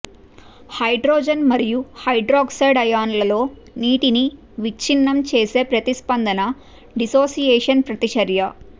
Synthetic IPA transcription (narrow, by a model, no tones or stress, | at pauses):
hɐjɖɾoːd͡ʒɐnmɐɾijuhɐjɖɾɔːksɐjɖɐjaːnlɐlo̞ː | niːʈini | ʋit͡ʃinːɐmt͡ʃeːse̞ːpɾɐt̪ispɐnd̪ɐnɐ | ɖisoːsijɛːʂɐnpɾɐt̪it͡ʃɐɾjɐ